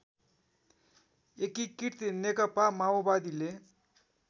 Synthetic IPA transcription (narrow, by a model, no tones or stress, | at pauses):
ekikiɾt̪inekʌpamaobad̪ile